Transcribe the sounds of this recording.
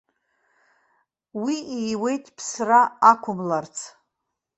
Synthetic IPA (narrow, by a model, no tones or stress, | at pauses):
wiijwe̞jtʼpʰsraakʷʰʊmlart͡sʰ